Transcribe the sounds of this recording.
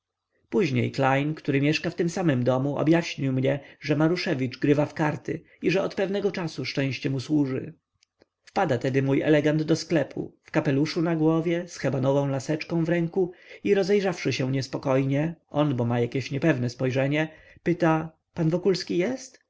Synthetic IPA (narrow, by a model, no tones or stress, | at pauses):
puʑɲḛjklajnkt̪uɾɘmʲjɛʂkaft̪ɘmsamɘmd̪ɔmuʔɔ̰bjaɕɲiwmɲɛʐɛmaɾuʂɛvʲid͡ʐɡɾɘvafkaɾt̪ɘ | iʐɛɔt̪pɛvnɛɡɔt͡ʂasuʂt͡ʂɛ̃w̃ɕt͡ɕɛmuswuʐɘ̰ | fpad̪at̪ɛd̪ɘmujɛ̰lɛɡand̪d̪ɔsklɛpʰṵfkapɛluʂunaɡwɔvʲjɛsxɛbanɔvɔ̃w̃lasɛt͡ʂkɔ̃w̃vɾɛŋkuiɾɔzɛjʐafʂɘɕɛ̃ɲɛspɔkɔjɲɛʔɔnbɔmajakʲeɕɲɛpɛvnɛspɔjʐɛɲɛ | pɘt̪a | panvɔkulskʲijɛst̪